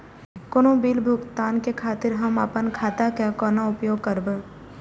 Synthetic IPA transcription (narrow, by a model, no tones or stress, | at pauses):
konõbiːlbʱʊkt̪aːnkekʰaːt̪ɪɾɦɐmə̰pənkʰaːt̪akekɔːnaʊpjoːɡ̚kəɾbə